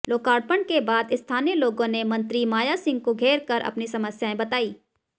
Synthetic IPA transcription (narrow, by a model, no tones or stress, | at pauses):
loːkaːɽ̚pəɳɖkebaːd̪ɪst̪ʰaːneloːɡõnemɐ̃nt̪ɾimaːjasɪ̃ŋɡ̚koɡʱeːɾkəɾʔɐ̰pnisɐməsjaẽbɐt̪aːiː